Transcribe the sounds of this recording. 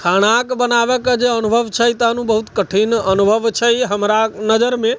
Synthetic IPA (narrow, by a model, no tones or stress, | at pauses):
kʰaɽ̃akbənaʋəkd͡ʒeənubʱəʋt͡ʃʰəit̪anũbəɦut̪kəʈʰinənubʱəʋt͡ʃʰeiɦəmɾanəd͡ʒəɾmẽ